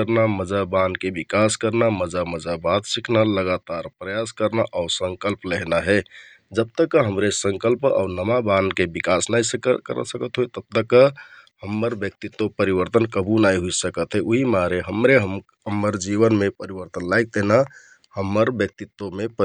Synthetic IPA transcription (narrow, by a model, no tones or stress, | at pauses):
əɾnaməd͡ʒabankebikaskəɾnaməd͡ʒaməd͡ʒabat̪sikʰnaləɡat̪aɾpɾəjaskəɾnaʔaʊsə̃ŋkəlpleɦnaɦɛ | d͡ʒəb̚t̪əkːəɦəmɾesə̃ŋkəlpa̰ʊnəmabankebikasnajsəkə̰ɾə̰səkət̪ɦojt̪əb̚t̪əkːəɦəmːəɾbjək̚t̪it̪ːopəɾibəɾt̪ənkəbunaiɦuisəkət̪ɦɛʔuɦimaɾeɦəmɾeɦəm | ɦəmːəɾd͡ʒiβənmepəɾibəɾt̪ənlajk̚t̪eɦna | həmːəɾbjək̚t̪it̪ːomepə